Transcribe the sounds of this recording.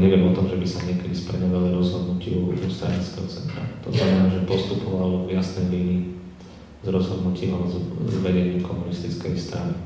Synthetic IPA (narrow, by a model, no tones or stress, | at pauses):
ɲɛʋɪɛmɔt̪ɔmʒɛbisaɲɪɛkɛd̪ispɛ̰ɲɔʋaliɾɔzɦɔd̪nucɪuɔst̪ɾa̰ɲit͡skɛɦɔt͡sɛ̰nt̪ɾa̰t̪ɔ̰znamɛnaːʒɛpɔst̪upɔʋalɔvjasnɛjʋiːni | zɾɔzɦɔd̪nuciːɦɔzzʋɛɟɛɲɪukʰɔmunist̪it͡skɛjst̪ɾa̰ni